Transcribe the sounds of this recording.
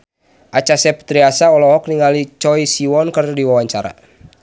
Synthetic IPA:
ʔat͡ʃasɛp̚t̪ɾiasaɔlɔɦɔk̚niŋalit͡ʃɔisiwɔnkərdiwawaɲt͡ʃaɾa̰

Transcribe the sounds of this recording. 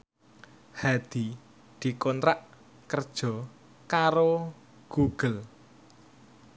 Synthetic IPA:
had̪̥i | d̪̥i̤kɔnt̪ɾaʔ | kərd̥ʒ̥ɔ̤ | kaɾo | ɡ̥uɡ̥əl

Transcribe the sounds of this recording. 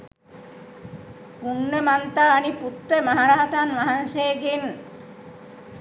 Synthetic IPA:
punːəmant̪aːniput̪ɾəmaɦaɾaɦaʈanʋaɦanʃejəɡen

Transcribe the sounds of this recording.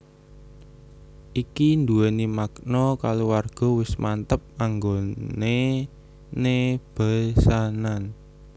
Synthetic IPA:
ʔikind̪uanimaknɔkalowarɡ̥ɔ̤wɪsmʔant̪əp̚aŋɡone | neb̥a̤sanan

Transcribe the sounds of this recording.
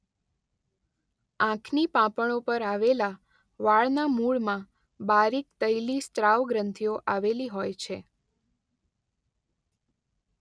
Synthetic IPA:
ãkʰnipãpəɳ̃opəɾaʋela | ʋaɭnamuɭmã | baɾikt̪əjlist̪ɾaʋɡɾənt̪ʰijoʔaʋeliɦojt͡ʃʰe

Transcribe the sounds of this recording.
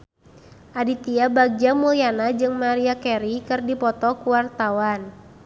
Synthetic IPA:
ʔadit̪iabaɡ̚d͡ʒamulianad͡ʒɨŋmaɾiakɛɾikɨrdipɔt̪ɔkuwart̪awan

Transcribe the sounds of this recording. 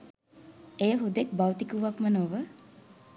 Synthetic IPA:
ejəɦud̪ek̚bawt̪ikuʋakmənoʋə

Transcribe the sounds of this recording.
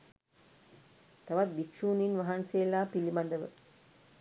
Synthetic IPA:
t̪ɐʋɐt̪̚bikʂuːninʋɐɦanseːlaːpilimɐnd̪ɐʋə̰

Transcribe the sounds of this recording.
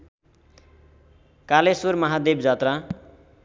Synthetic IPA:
kalesurmʌɦad̪ebd͡zat̪ra

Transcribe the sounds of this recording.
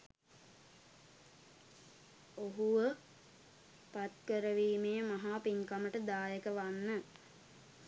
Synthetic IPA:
oɦuʋə | pat̪kəɾəʋiːmejəmaɦaːpiŋkaməʈəd̪aːjəkəʋanːə

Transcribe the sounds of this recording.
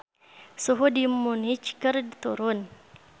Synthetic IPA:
soɦodimːonit͡ʃkəɾdt̪oɾon

